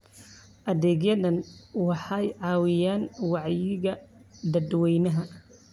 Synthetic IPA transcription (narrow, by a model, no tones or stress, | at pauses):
ʔɐðɛːɡjɐðɐnwɑħɑjʕɑːwɪjaːnwɑʕjɪɣɐd̪ɐd̪wɛjnɐɦɐ